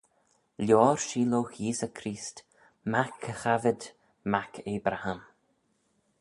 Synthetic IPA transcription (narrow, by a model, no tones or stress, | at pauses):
ljɔːɹʃiːloːxjiːsəkʰɾiːst | makʰːəxavɪd̪ | makʰeːbɾaham